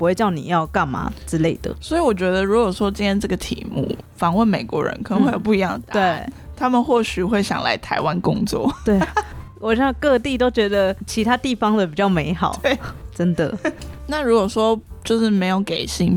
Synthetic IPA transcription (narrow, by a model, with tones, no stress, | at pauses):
pu˧˥xwe˥˧ɪt͡ɕjɑ˥˩ʊnḭ˨˩jɑ˥˧ʊka˥˩nma̰˨˥ʈ͡ʂɻ̩˥le˥˩ɪd̪ə̰˩swɔ˧˥i˨˧wɔ˨˩t͡ɕɥɛ˧˥d̪ə˧ɻu˧˥kwɔ˨˩ʂwɔ˥t͡ɕi˥nt̪jɛ˥nʈ͡ʂɤ˥˩ɡə˨t̪ʰḭ˨˩mṵ˥˩fɑ˨˦ŋwə˥˩nme˨˩ɪkwɔ̰˧˥ɻə̰˧˦nkʰnə˦ŋxwe˥˩jo˨˩p̬u˥˩i˧jɑ̰˥˨˩ŋt̪we˥˩ɪt̪ʰa˦˥mə˨nxwɔ˥˩ɕy˨˩xwe˥˩ɪɕjɑ̰˨˩ŋla̰˧˦˥ɪt̪ʰa˧˥ɪwa˦˥nkʊ˥ŋt͡swɔ̰˥˩t̪we˥˩ɪ | wɔ˨˩ɕjɑ˥˧ŋkɤ˥˧t̪i˥˨t̪o˥ʊt͡ɕɥɛ˧˥d̪ə˨t͡ɕʰi˧˥t̪ʰa˥t̪i˥˩fɑ˥˩ŋd̪ə˨˩pi˨˩t͡ɕjɑ˥˩ʊme˧˥ɪxɑ˨˩ʊe˩ʈ͡ʂə˦˥nd̪ə̰˨˩na˥˨ɻu˧˥kwɔ˨˩ʂwɔ˦˥t͡ɕjo˥˧ʊʂɻ̩˥˩me˧˥ɪjo˧˩˥ʊke˨˩ɪɕi˥ŋ